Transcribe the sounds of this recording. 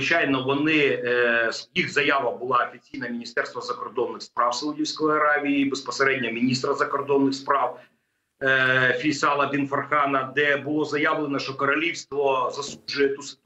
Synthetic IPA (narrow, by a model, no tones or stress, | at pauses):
t͡ʃajnɔʋɔnɪ | sjixzɐjaʋɐbʊlˠɑɐfʲit͡sʲijnɐmʲɪnʲist̪ɛrst̪ʋɐzɐkɔrd̪ɔnːɪxspɾɑwsɐudʲiwsʲkɔjɐɾɑʋʲijibɛspɐseɾɛdʲnʲɔmʲinʲist̪ɾɐzɐkɔrd̪ɔnːɨxspɾɑw | fʲisɑlˠɐbʲinfɐrxɑnɐd̪ɛbʊlˠɔzɐjaʋlˠenɐʃtɔkɐɾɐlʲiwst̪ʋɔzɐsˠuʒʊjɛt̪usɪ̥